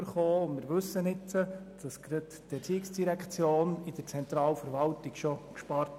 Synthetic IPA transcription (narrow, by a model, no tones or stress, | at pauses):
əɾχoːʊnmɪːɾʋɵsːənɪtt͡səd̥ɑsɡɾət | b̥ɛt͡siːɪksd̥iɾɛkχt͡sjoːnɪd̥əɾt͡sɛnt̪ɾɑːlfəɾʋɑltɪkʃɔkʃpɑɾt